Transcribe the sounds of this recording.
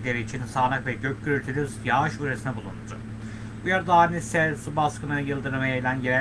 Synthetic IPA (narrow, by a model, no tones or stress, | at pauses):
lʲe̞ɾiːt͡ʃʰinsaːlˠɯkvɛɟøc̚ɟyɾylʲt̪ʰyɾʲyzjaɯʃyɾesinɛbulˠṵnd̪ʊ̰ | bujaɾɯd̪aːnisɛsubaskɯnɯjɯlˠd̪ɯɾɯmajailʲænɟeɾæ